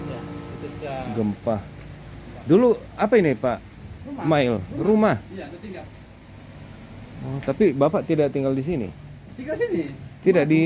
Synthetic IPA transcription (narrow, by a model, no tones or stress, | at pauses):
ɡəmpah | duluapainipaʔ | maɪlrumah | ɔt̪apibapaʔt̪idaʔt̪iŋɡaldis̬inḭ | t̪idaʔdi